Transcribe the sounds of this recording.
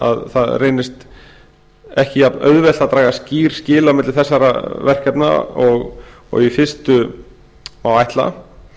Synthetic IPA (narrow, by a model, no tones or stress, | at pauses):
a̰ðθaðreːjnɪst̪ | ɛhcɪaœ̰ðvɛlt̪at̪ɾaːɣasciːɾ̥scɪːlawmɪt̪lɪθɛsːaɾa̰vɛr̥kɛpna̰ɔɣ | ɔ̰ɣifɪrst̪ʏ | mawajht̪la̰